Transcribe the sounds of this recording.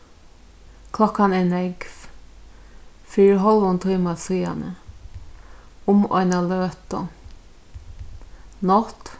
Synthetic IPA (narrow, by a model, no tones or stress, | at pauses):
kʰlɔkːanɛnɛkf | fiːɾɪɾɦɔlʋʊnt̪ʰuːmasiːa̰nə̰ | ʊmɔ̰ɪnaløːt̪ɔ | nɔt̪